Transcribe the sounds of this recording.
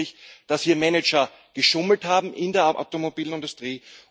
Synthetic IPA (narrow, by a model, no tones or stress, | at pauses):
ɪçd̥ashiːɐmɛnɛt͡ʃɐ | ɡ̥əʃʊml̩thaːbm̩ʔɪndeːɐʔa̰ʊtomobiːln̩ɪndʊstʁ̥iː